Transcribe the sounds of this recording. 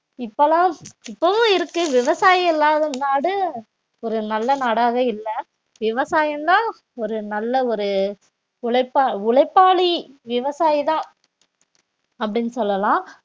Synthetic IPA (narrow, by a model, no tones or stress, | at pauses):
ɪpːɐlãːɪpːɐʋɯ̃ɪɾɯkːɯʋɪʋɐsaːjɛlːaːðɯmnaːɽɯ | ɔɾɯnɐlːɐnaːɽaːɣɐɪlːɐ | ʋɪʋɐsaːjɐnd̪ãː | ɔɾɯnɐlːɐɔɾɯ | ʊɭɐɪpːaːʊɭɐɪpːaːliʋɪʋɐsaːjt̪ãː | ɐp̬ːɐɽɪnːɯsɔlːɐlãː